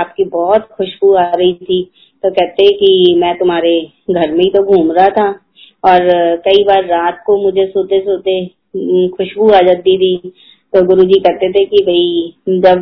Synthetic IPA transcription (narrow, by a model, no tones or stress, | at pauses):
aːp̚kibɔːt̪xʊʃbuaɾɐɦit̪ʰi | t̪okɛɦt̪ẽkimɛ̃ːt̪ʊmɦaːɾe | ɡʱɐɾmẽĩt̪oɡʱuːmɾɦat̪ʰa | ɔːɾkɐibaːɾːaːt̪̚komʊd͡ʒʱesoːt̪esoːt̪e | xʊʃbuaːd͡ʒət̪̚ːit̪ʰi | t̪oɡʊɾud͡ʒikɛɦt̪et̪ʰekibʱɐid͡ʒɐb